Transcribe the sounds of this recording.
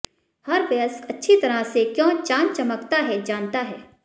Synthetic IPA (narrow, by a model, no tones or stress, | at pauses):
hɐɾʋɐəskɐtːʃʰit̪ɐɾasekjɔ̃ːt͡ʃãːnt͡ʃɐməkt̪aɦɛd͡ʒaːnt̪aɦɛː